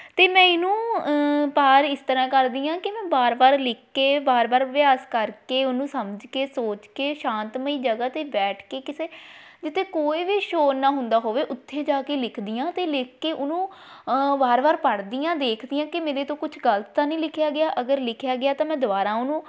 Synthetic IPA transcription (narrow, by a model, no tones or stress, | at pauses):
t̪eːmɛ̃ːɪnũː | paːɾɪst̪əɾãːkəɾd̪iːãːkɪmɛ̃ːbaːɾbaːɾlɪkʰːeːbaːɾbaːɾʋjaːskəɾkeːʊnũːsəməd͡ʒkeːsoːt͡ʃkeːʃãːnt̪məiːd͡ʒəɡaːt̪eːbɛːʈʰkeːkɪseːd͡ʒɪt̪ʰːeːkoːiːʋiːʃoːnaːɦʊ̃nd̪aːɦoːʋeːʔʊt̪ʰːeːd͡ʒaːkeːlɪkʰd̪ijãːt̪eːlɪkkeːʔʊnũː | baːɾbaːɾpəɽd̪ijãːd̪eːkʰd̪iːãːkɪmeːɾeːt̪õːkʊt͡ʃʰɡəlt̪t̪ãːnəĩːlɪkʰɪjaːɡɪjaːʔəɡəɾlɪkʰjaːɡɪaːt̪ãːmɛ̃ːd̪ʊʋaːɾãːʊnũː